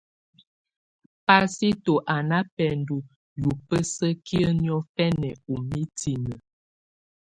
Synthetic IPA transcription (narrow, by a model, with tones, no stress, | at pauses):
pa˦si˦to˨ʔa˨na˦pɛ˨ndu˨ | ju˨pə˦sə˦kʰi˦ə˦njɔ˦fɛ˦nɛ˨u˨mi˦tʰi˨nə˨